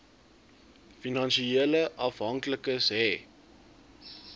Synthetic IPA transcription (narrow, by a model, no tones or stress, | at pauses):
finɐnʃieːləʔɐfɦɐŋkləkəsɦɛ